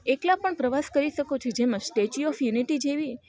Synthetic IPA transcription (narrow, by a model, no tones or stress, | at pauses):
eklapəɳpɾəʋaskəɾiʃəkot͡ʃʰed͡ʒemãsʈet͡ʃiɔfjuniʈid͡ʒeʋi